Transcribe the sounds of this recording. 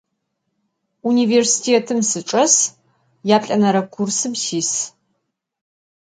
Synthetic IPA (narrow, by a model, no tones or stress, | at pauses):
universi̥tʰeːtʰɨmsɨʈ͡ʂʼɐs | jaːpɬʼɐnɐɾɐkʷʰursɨbsiːs